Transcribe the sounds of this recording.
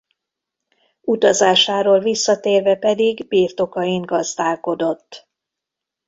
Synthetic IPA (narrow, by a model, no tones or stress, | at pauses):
ut̪ɒzaːʃaːɾoːlvisːɒt̪eːrvɛpɛd̪iɡbiːrt̪o̞kɒjiŋɡɒzd̪aːlko̞d̪o̞t̪ː